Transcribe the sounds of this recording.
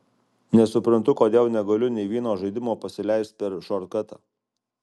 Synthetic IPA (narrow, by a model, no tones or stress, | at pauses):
nʲɛsʊpʲɾɐnt̪ʊkoːd̪ʲeːlˠnʲɛɡɐlʲʊnʲɛɪʋʲiːɛnoːʒɐɪd̪ʲɪmoːpɐsʲɪlʲæɪst̪̚pʲɛɾʃɔɾkɐt̪ɐː